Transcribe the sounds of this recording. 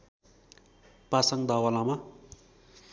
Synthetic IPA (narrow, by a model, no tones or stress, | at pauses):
pasʌŋd̪awʌlama